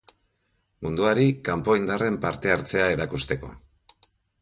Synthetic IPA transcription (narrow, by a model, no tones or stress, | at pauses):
mund̪uaɾikampo̞ind̪are̞mpaɾt̪e̞aɾt͡se̞ae̞ɾakust̪e̞ko̞̰